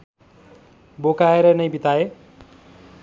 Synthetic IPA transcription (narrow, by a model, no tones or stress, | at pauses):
bokaeɾʌnʌjbit̪ae